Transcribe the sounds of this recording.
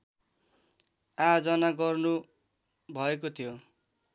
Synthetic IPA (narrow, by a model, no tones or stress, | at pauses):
ad͡zʌnaɡʌrnu | bʱʌekot̪ʰijo